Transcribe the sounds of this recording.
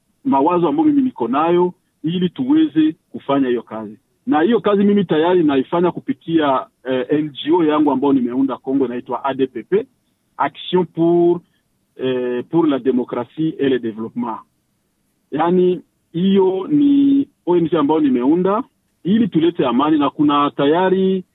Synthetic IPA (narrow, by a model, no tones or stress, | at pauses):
mawazoambaomiminikɔnajɔ | ilituwezekufaɲahijɔkazi | naijɔkazimimitajaɾinaifaɲakupikia | ʔɛnd͡ʒiojaŋɡuambajɔnimeundakɔŋɡɔinaitwaʔadepepe | aksjɔ̃pu | puɾlademɔkɾasieledevlɔpmã | jani | ijɔni | ɔjɔnisɛambajɔnimɛunda | ilitulɛtɛamaninakunatajaɾi